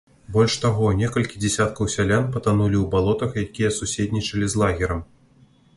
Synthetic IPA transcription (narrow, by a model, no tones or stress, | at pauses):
bɔlʲʂt̪aɣɔnʲɛkɐlʲkʲid͡zʲɛsʲat̪kɐwsʲalʲanpɐt̪anulʲiwbalˠɔt̪ɐxjakʲijɛsusʲet̪ʲnʲit͡ʂɐlʲizlˠaɣʲɛɾɐm